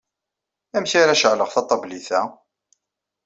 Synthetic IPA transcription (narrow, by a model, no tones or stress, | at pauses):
æmçaɾaʃəʕləʁθɑt̪ˤːɑbliθæ